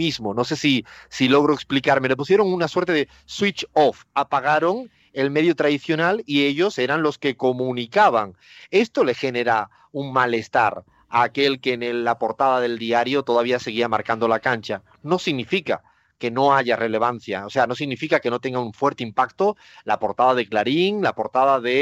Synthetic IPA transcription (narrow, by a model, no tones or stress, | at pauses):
izmo̞no̞se̞sisilo̞ɣ̞ɾoeksplikaɾme̞le̞pus̬je̞ɾo̞ŋunaswe̞ɾt̪eðe | swit͡ʃofapaɣ̞aɾo̞ŋ | e̞lme̞ðjot̪ɾaðiθjo̞nalie̞ʎo̞se̞ɾanlo̞ske̞ko̞mũnikaβ̞aŋ | e̞st̪o̞le̞xe̞ne̞ɾa | uŋmale̞st̪a̰ɾ | aːke̞lke̞nelːapo̞ɾt̪aðaðe̞ld̪iaɾjo̞t̪o̞ðaβiase̞ɣ̞iamaɾkand̪o̞lakant͡ʃa | no̞siɣnifika̰ | ke̞no̞aʝare̞le̞β̞anθjaose̞ano̞siɣnifikake̞no̞t̪e̞ŋɡauɱfwe̞ɾt̪eimpakt̪o̞ | lapo̞ɾt̪aðað̞e̞klaɾiŋlapo̞ɾt̪aðaðe̞